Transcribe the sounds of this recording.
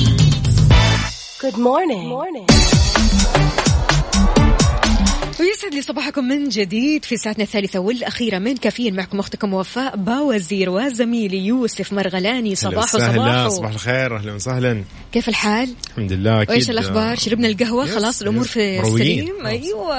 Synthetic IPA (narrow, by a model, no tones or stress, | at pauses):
ɡ̥ʊd̪moːɾnɪŋ | wjɪsʕɪd̪lisˤɑbɑːħakʊmːɪnd͡ʒɪd̪iːd̪fisaːʕat̪naθːaːlɪθawɪlʔaxiːɾamɪnkaːfijːanmaʕkʊmʔʊxt̪ɪkʊmːʊwafaːʔbawaziːɾwazamiːlijuːsɪfmɑɾˤɣalaːnisˤɑbɑːħusɑbɑːasˤbɑːħalxeːɾʔahlunsahlan | keːfɪlħaːlħamd̪ɪlːaʔwʔeːʃalʔaxbɑːɾˤʃaɾɪbnalɡaɦwaxɑlɑːsˤɪlʔʊmuːɾˤfisaiːmʔajwa